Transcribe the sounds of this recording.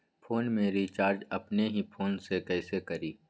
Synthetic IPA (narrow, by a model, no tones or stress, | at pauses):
pʰoːnmẽɾiːt͡ʃaːɾd͡ʒɐpneɦipʰoːnsekɛːsekɐɾiː